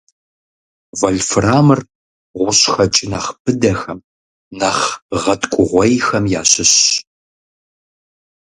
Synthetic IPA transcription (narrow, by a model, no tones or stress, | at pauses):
vɐɮfɨraːmɨr | ʁʷʊɕxɐt͡ʃʼɪnɐχb̥ɨdɐxɐm | nɐχʁɐtʼkʷʼʊʁʷɐjxɐmja̰ːɕɪɕ